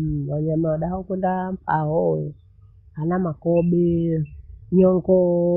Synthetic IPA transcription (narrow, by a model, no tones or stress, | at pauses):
waɲamawaɗahakɛndam̩paɦɔ | hanamakɔɓɛ | jɔŋkɔ